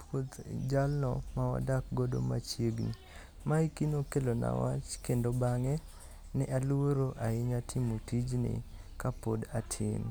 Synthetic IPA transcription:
pot̪d͡ʒalnɔ̰mawa̰dak̚ɡodo̰ma̰t͡ʃeɡni | maikinokelona̰wa̰t͡ʃkendobaŋɛ | nɛʔaluoɾoʔaɪɲatʰɪmotid͡ʒnɪ̰kapodatʰɪ̰n

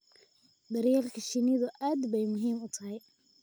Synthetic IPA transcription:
b̪ɐɾjaːlkʰɐʃɪnɪðʊʔaːd̪bɛjmʊɦiːmʊt̪ʰɐɦɛj

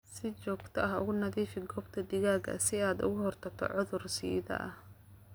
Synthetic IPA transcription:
sɪt͡ʃɔːɡt̪ʰɐɐɦʊ̰ɣʊnɐðiːfɪɡɔːbt̪ʰɐd̪ɪɣaːɡɐ̰sɪaːd̪ʊ̰ɣʊhɔrt̪ʰɐk̚t̪ʰɔ̰ʕʊðʊrsḭːðɐ̰ʔɐh

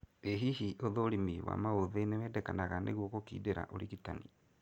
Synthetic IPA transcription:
eɦihiʔoðoɾimiwa̰maoðenewɛːdɛkanaɣaneɣwokokḭːdeɾa̰ʔoɾiɣitani

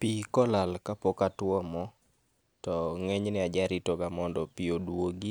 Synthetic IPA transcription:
pikɔlalkapɔkatwɔmɔ | tɔŋeɲnɛad͡ʒaɾitoɡamɔndɔpiodwoɡi

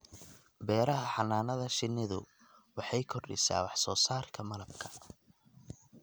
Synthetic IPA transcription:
bɛːɾɐɦɐħɑnaːnɐðɐʃɪnːɪðʊ̰ | wɑħɑjkʰɔrɗɪ̰sa̰ːwɑħsɔːsaːrkʰɐmɐlɐb̚kʰɐ̥

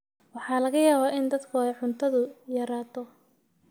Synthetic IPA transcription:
wɑħɑːlɐɣɐjaːβaːʔɪnd̪ɐd̪kʰʊɛjʕʊnt̪ʰɐðʊjɐɾaːt̪ʰɔ

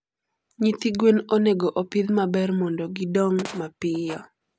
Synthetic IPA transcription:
ɲit̪iɡwenoneɡoʔopɪd̪mabɛrmɔndɔɡidɔŋmapɪjɔ

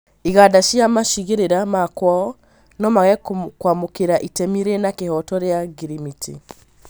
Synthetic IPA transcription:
iɣadaʃjamaʃiɣeɾeɾamakwɔɔ | nɔmaɣɛkwamokeɾaʔitɛmiɾenakehɔtɔɾeaɡiɾimitʰi

